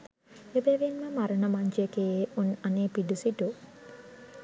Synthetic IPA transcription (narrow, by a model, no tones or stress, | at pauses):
ebeʋinməmaɾənəmaɲd͡ʒjekejeːunaneːpiɖusiʈu